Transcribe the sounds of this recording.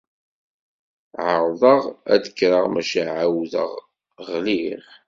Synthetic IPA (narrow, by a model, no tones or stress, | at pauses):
ʕəɾˤðˤəʁæ̰d̪əkːɾəʁmæʃæʕawðə̰ʁ | ʁliʁ